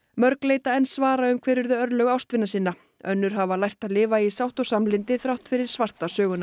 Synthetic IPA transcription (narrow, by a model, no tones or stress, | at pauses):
mœɾkleːjt̪aɛnsvaːɾaʏmkʰvɛːɾʏɾðʏœɾlœɣawst̪vɪnːasiːnːa | œ̰nːʏɾ̥ɦavalajht̪aðlɪːvaisawht̪ɔsamlɪnt̪ɪθɾawht̪fɪɾɪɾ̥svar̥t̪asœːɣʏna